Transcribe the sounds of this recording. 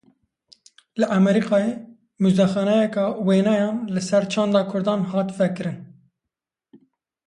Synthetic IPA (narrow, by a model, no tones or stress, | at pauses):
lɨʔɛmɛɾiqɑːje | muzd̪ɛxɑːnɛjɛkɑːweːnɑjɑːnlɨsɛɾt͡ʃʰɑːnd̪ɑːkʰʊɾd̪ɑːnhɑːt̪vɛkɨɾɨn